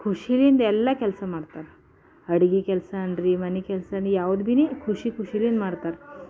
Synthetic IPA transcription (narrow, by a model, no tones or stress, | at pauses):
kʰuɕiliːnd̪ɛlːakɛlsəmaɽt̪aɾ | əɽɡikɛlsanɾimanikɛlsəanijaʋəd̪bʱinekʰuɕiːkʰuɕiliːnmaɽt̪aɾ